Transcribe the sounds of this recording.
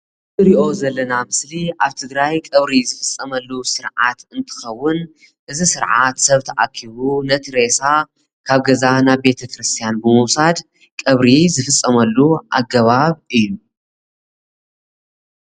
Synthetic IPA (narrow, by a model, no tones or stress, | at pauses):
ɨɾiʔo̞zɐlːɐnamɨsliaβt̪ʰɨɡɾajkʼɨβɾizɨfɨsʼːɐmɐlːusɨɾʕa̰t̪ɨnt̪ʰɨ̥xɐwːʊn | ʔɨzisɨɾʕat̪sɐβt̪ʰɐʔakʰːiβunɐt̪ʰɾesa | kʰaβɡɐzanaβbe̞t̪ʰɐkʰɾɨst̪ʰijanbɨmɨwsad̪ | kʼɐβɾizɨfɨsʼːɐmɐlːuʔa̰ɡɐβaβɨjːu